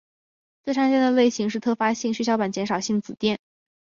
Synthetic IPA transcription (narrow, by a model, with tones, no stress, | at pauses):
t͡swɪa˥ŋɕɛ˥nd̪ə˨le˥˩ɪɕi˧˥ŋʂ̬ɻ̩˥˧˩t̪ʰɤ˥˩fa˥ɕi˥˩ŋɕy˥˩ɕjɑ˧˥ʊpa˨˩nt͡ɕjɛ˧˥nʂɑ˨˩ʊɕi˥˩ŋt͡sɹ̩˨˩t̪jɛ˥˩n